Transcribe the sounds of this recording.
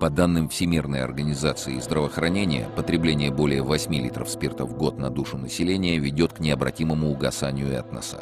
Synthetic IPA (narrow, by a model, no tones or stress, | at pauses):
pɐd̪anːɨmfsʲɪmʲirnəjɐ̰rɡənʲɪzat̪sɨɪːzd̪ɾəvəːxɾɐnʲenʲɪjə̰pət̪ɾʲɪblʲenʲɪjəbo̞lʲɪjəvɐsʲmʲilʲit̪ɾə̰fspʲert̪əvɡo̞t̪nɐd̪uʂʊnəsʲɪlʲenʲɪjəvʲɪdʲo̞t̪knʲɪɐbɾɐtʲiməmʊːɡɐsanʲɪjʊɛ̰t̪nɐ̰sa̰